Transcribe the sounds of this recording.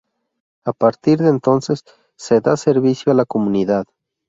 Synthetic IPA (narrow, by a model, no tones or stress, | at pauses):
apaɾt̪iɾðeːnt̪o̞nse̞sː | e̞ðase̞ɾβisjoalako̞mũniðað